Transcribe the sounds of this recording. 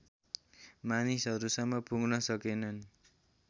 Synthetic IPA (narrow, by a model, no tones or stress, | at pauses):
manisɦʌɾusʌŋːʌpuɡnʌsʌkenʌn